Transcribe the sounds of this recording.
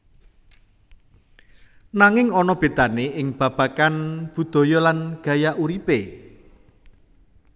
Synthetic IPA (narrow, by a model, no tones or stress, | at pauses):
naŋɪŋɔnɔb̥e̤d̪̥aneʔɪŋb̥ä̤b̥ä̤kanb̥ṳd̪̥o̤jɔlanɡ̥ä̤jaʔuɾipe